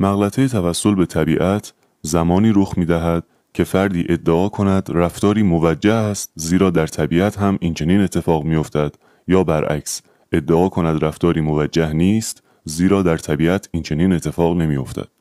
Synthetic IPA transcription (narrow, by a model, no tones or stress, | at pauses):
mæɣlæt̪ʰejet̪ʰævæsːo̞lbe̞t̪ʰæbiːʔæt̪ʰ | zæmɒːniːɾoxmiːd̪æɦæd̪̥̚ | cʰe̞fæɾd̪iːʔe̞d̪ːeʔɒːkʰo̞næd̪ræft̪ɒːɾiːmovæd͡ʒːæhæst̪ziːɾɒːd̪æɾt̪ʰæbiːæt̪ɦæmʔint͡ʃʰe̞niːne̞t̪ʰːe̞fɒːɣmijo̞ft̪ʰæd̪̥ | jɒːbæɾʔæ̰cs | ʔe̞d̪ːeʔɒːkʰo̞næd̪ɾæft̪ɒːɾiːmo̞væd͡ʒːæhniːst̪ | ziːɾɒːd̪æɾt̪ʰæbiːʔæt̪ʰiːnt͡ʃʰe̞niːne̞t̪ʰːe̞fɒːɣne̞miːjo̞̰ft̪ʰæ̰d̪̥